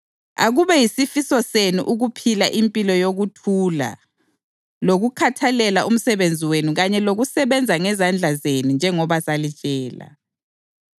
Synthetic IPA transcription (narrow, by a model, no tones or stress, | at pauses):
a̰ɣuβɛjisifisɔsenṵʔuɣupʰilaʔimpʼilɔjoɣutʰuːla̰ | loɣukʰatʰalɛlaʔum̩sɛβend͡zʱiwenuɣaɲɛloɣusɛβɛnd͡zʱaŋɛzand͡ɮʱazenund͡ʒʱɛŋɔβasalit͡ʃʼɛːla̰